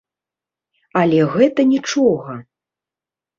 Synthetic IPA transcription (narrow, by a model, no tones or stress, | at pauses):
ɐlʲɛɣɛt̪ɐnʲit͡ʂɔɣɐ